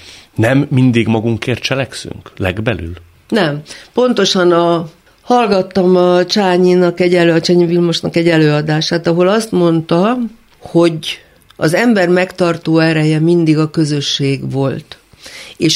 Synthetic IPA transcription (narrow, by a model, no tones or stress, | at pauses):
nɛmːind̪iɡmɒɡuŋkeːrt̪t͡ʃɛlɛksy̰ŋklɛ̰ɡbɛly̰l | nɛmpo̞nt̪o̞ʃɒnɒ | hɒlɡɒt̪ːɒmɒt͡ʃaːɲinɒkɛɟɛløɒt͡ʃɛɲivilmoʃnɒkɛɟɛløːɒd̪aːʃaːt̪ɒɦo̞lɒst̪mo̞nt̪ɒ | ho̞ɟ | ɒzɛmbɛrmɛkt̪ɒrt̪oːɛɾɛjɛmind̪iɡɒkø̞zø̞ʃːeːɡʋo̞lt̪ | eːʃ